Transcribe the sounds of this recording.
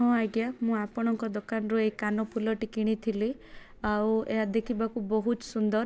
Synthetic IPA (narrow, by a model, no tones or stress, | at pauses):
ɦɔ̃ajɡjamũapɔɽ̃ɔŋkɔd̪ɔkanɔɾuekanɔpʰulɔʈikiɽ̃it̪ʰili | awwḛɦad̪ekʰibakubɔɦut̪sund̪ɔɾ